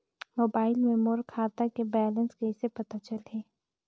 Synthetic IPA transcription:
moːbaːɪlmẽmoɾkʰaːt̪akebɛːlə̃nskeɪsepɐt̪at͡ʃəlɦɛː

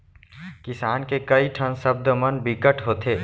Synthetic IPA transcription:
kɪsaːnkekəiʈʰənsəb̚d̪əmənbɪkəʈʰɦoːt̪eː

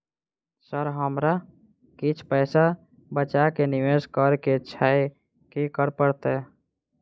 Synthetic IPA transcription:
səɾɦəmɾa | kit͡ʃʰpəɪsa | bət͡ʃakeniʋeskəɾket͡ʃʰae | kikəɾpəɾt̪ɛ

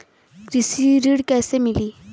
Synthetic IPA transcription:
kɾisiɾiɽkɛsemili

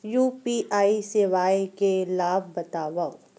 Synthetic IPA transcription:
juːpiʔaːisɪʋaːekelaːb̚bɐt̪aːʋa

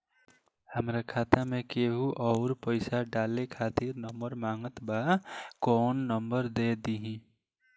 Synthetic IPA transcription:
həmɾakʰaːt̪amẽkeɦuʔɔʊɾpəɪsaɖaːlekʰaːt̪iɾnəmbəɾmaːŋɡət̪bakɔːnːəmbəɾd̪ed̪iɦĩ

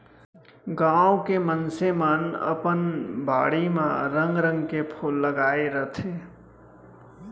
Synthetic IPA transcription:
ɡãːõkemənsemənə̰pənbʱaːɽimã̰ɾə̃ŋɡɾə̃ŋɡkepʰoːlːəɡaːeɾət̪ʰeː

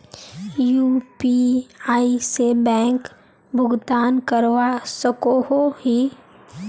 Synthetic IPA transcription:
juːpiaːisebɛ̃ːŋk | bʱʊɡd̪aːnkəɾʋasəkoɦohi

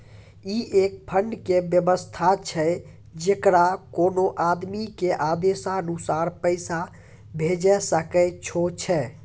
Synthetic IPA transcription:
iʔek̚pʰəɳɖkebjəbəst̪ʰat͡ʃʰɛ | d͡ʒekɾakonoʔad̪mikeʔad̪esaənusaɾpəɪsa | bʱed͡ʒɛsəkɛt͡ʃʰot͡ʃʰɛ

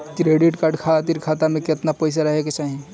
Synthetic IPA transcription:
kɾeɖiʈkaɾɖkʰat̪iɾkʰat̪amẽket̪napəɪs̬aɾəɦeket͡ʃaːɦi

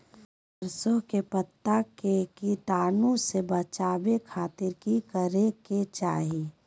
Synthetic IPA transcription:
əɾsokepət̪ːakekiʈaːnũsebət͡ʃaːbekʰaːt̪ɪɾkikəɾeket͡ʃaːɦi

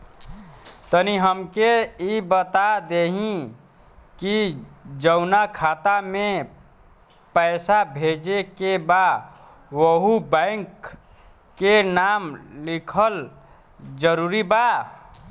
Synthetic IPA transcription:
t̪əniɦəmkeibət̪ad̪eɦĩ | kid͡ʒəʊnakʰat̪amẽ | pəɪsabʱed͡ʒekeba | wəɦubə̃ɪŋkː | enamlikʰəl | d͡ʒəɾuɾiba

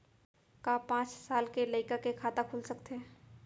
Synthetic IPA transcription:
kapãːt͡ʃsaːlkeləɪkakekʰaːt̪akʰulsəkt̪e

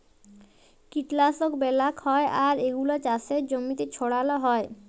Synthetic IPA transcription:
kiʈlasokbɛlakhɔeʔaɾeɡulat͡ɕaseɾd͡ʑomːit̪et͡ɕʰoɽaloɦɔe

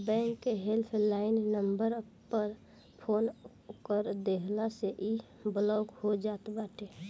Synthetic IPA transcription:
bɛ̃ːŋkːeɦelpʰlaːɪnːəmbəɾ | pəɾ | pʰoːn | kəɾd̪eɦlaseʔi | blɔɡhod͡ʒaːt̪baːʈe

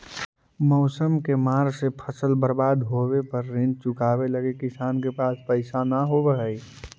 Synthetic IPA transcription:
mɔʊsəmkemaːɾsepʰəsəlbəɾbaːd̪ɦowepəɾːɪ̃nd̪̚t͡ʃʊkaːbeləɡekɪsaːnkepaːspəɪsanaɦobəɦəi

